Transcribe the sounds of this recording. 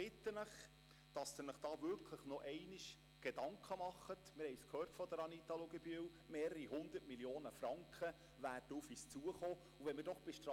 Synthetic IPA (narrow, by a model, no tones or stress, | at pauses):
bɪt̪ːənəχ | d̥ɑsd̪ɪnəχd̥ɑːʋʏɾkʰləχnɔʔɛɪniʃ | ɡ̥ed̥ɑŋkʰχəmɑχːətmɪɾhɛɪskhøːrtfɔd̥̪əɾɑnit̪ɑloɡɛbyəw | meːɾəɾiɦʊnd̪ətmiljoːnəfɾɑŋkχə | ʋæːrdəufiːst͡suəχoː | uʋɛmɪɾdɔχb̥eʃtɾɑ